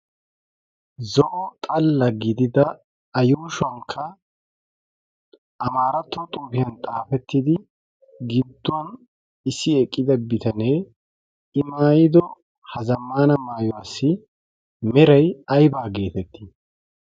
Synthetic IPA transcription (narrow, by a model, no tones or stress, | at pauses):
zɔʔɔt̪ʼɐlːɐɡɪd̪ɪd̪ɐ | ɐjuːʃʊɐŋkʰːɐ | ʔɐmaːɾɐt̪ːɔt̪ʼuːfɪjɐnt̪ʼaːfɛt̪ːɪd̪ɪ | ɡɪd̪ːʊwɐn | ɪsːɪɛkʼːɪd̪ɐbɪt̪ɐne̞ː | ɪmaːjɪd̪ɔ | hɐzɐmːaːnɐmaːjɔwasːɪ | mɛɾɐjɐjbaːɡe̞ːt̪ɛt̪ːi